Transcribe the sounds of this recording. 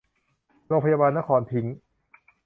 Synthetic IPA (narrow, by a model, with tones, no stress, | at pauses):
ɾoː˧ŋpʰa˧jaː˧baː˧nːa˦˥kʰɔː˧npʰi˦˥ŋ